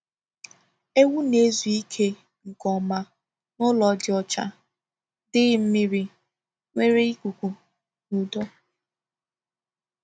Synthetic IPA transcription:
e˦wu˦ne˦zu˨i˦kʰe˦ | ŋ̩˨kɔ˨ma˨ | nʊ˦lɔ˨dɪ˦ɔ˨t͡ʃa̰˦ | dɪ˦m̩˦mɪ˦ɾɪ˨ | ŋʷe˦ɾe˦i˦kʷu˨kʷu˨ | nu˨dɔ˦

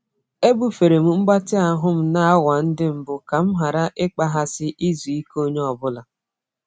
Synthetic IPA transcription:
e˦bu˨fe˨ɾe˨m̩˨ŋ͡m̩˦ɡ͡ba˦tɪ˦a˨ɦʊ˦m̩˦na˦a˦wa˨n̩˦dɪ˦m̩˨bʊ˨ka˨m̩˦ɦa˨ɾa˦ʔɪ˦k͡pa˦ɦa˦sɪ˦ʔi˦zu˨i˦ko˦ɲe˦ɔ˨bʊ˦la˨

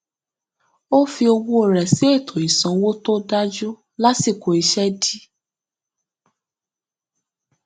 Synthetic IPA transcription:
o˦fi˧o˧wu˦o˨ɾɛ˨si˦e˦˨tʰo˨i˨sã˨˦wo˦to˦da˦d͡ʒu˦ | la˦si˦˨ko˨i˧ʃɛ˦di˦

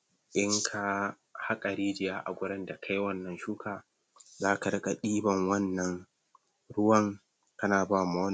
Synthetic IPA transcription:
ʔɪ˦ŋkʰa˨ | ha˦kʼɐ˨ɾiː˦d͡ʒɪ˨jaː˦ʔa̰˨ɡʷʊ˦ɽɐ˦nda˨kʰa˦jwɐ˦nːɐ˨nʃuː˦kʰaː˨ | zaː˦ka˨ɾɐ˦kʼa˨ɗiː˦bɐ˨ŋwɐ˦nːɐ˨ŋ | ɽʊ˦wɐ˦ŋ | kɐ˦naː˨baː˦ma˦ɐ˦n

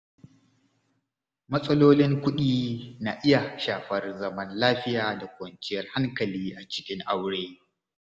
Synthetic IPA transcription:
mɐ˦sʼɐ˦loː˦lɪ˦ŋkʷʊ˦ɗiː˦naː˨ʔɪ˦ja˨ʃaː˨ɸɐ˦rzɐ˦mɐ˦nlaː˦ɸɪ˦jaː˨da˨kʷɐ˨nt͡ʃɪ˦jɐ˦rha˦ŋkɐ˨liː˦ʔa˨t͡ʃɪ̥˦kʲɪ˦ŋʔa˦wɽeː˦

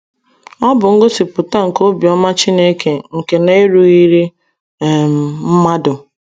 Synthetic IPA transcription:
ɔ˦bʊ˨ŋ̩˦ɡo˦si˨pʊ˨ta˦ŋ̩˨ko˦bi˨ɔ˦ma˦t͡ʃi˦ne˦ke˨ŋ̩˨ke˨ne˦e˦ɾu˨i˦ɾi˦˨ | m̩˨m̩˦ma˦dʊ˨

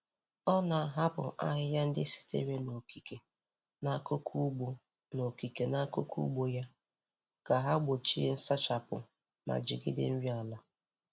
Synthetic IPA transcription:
ɔ˦na˨ɦa˦bʊ̰˨ʔa̰˦ɦɪ˦ja˦n̩˦dɪ˦si̥˦tḛ˦ɾe˦no˨ki˨ke˨ | na˦˨kʊ˦kʰu˦ɡ͡bo˦ | no˨ki˨ke˨na˦kʊ˦kṵ˦ɡ͡bo˨ja˦ | ka˨ɦa˦ɡ͡bo˨t͡ʃi˦n̩˦sa˦t͡ʃa˨pʊ̰˨ | ma̰˨d͡ʒɪ˨ɡɪ̰˦dɪ̰˦m̩˦ɾja˨la˦

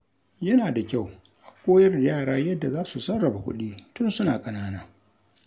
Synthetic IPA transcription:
jɐ˦naː˨da˨kʲa˦˨w | ʔa˨kʷoː˦jɐ˦rjaː˦˨ɽaː˦jɐ˦dːa˨zaː˦su˨sɐ˦rːɐ˨ba˨kʷʊ̰˦ɗiː˦tʊ˦nsʊ˦naː˨kʼɐ˨naː˦naː˦

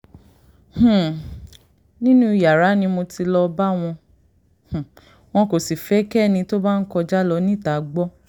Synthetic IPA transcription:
h̩˨ | nĩ˦nũ˦i˨ja˨ɾa˨˦nĩ˧mo˧ti˧lɔ˧ba˦w̃ɔ̃˧ | h̩˨ | w̃ɔ̃˧ko˨si˨fɛ˨˦kɛ˦˨nĩ˧to˦ba˦n̩˦kɔ˧d͡ʒa˦lɔ˧˦nĩ˦˨ta˨˦ɡ͡bɔ˦

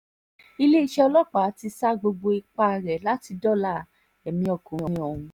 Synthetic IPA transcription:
i˧le˦i˧ʃɛ˦˧ɔ˧lɔ˦˨k͡pa˨˦ti˧sa˦ɡ͡bo˧ɡ͡bo˧i˧k͡pa˧˨ɾɛ˨˦la˦ti˧dɔ˦˨la˦˨ | ɛ˨mĩ˧ɔ˨kũ˨˧ɔ̃˨˧˦ɔ˨hũ˧

